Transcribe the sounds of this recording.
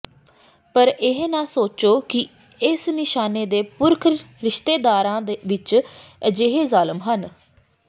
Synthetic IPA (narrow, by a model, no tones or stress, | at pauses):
pəɾɪɦnãːsoːt͡ʃoːkɪ | ɪsnɪʃaːneːd̪eːpʊɾkʰ | ɾɪʃt̪eːd̪aːɾãːd̪ʋɪt͡ʃd͡ʒeɦeːzaːləmɦən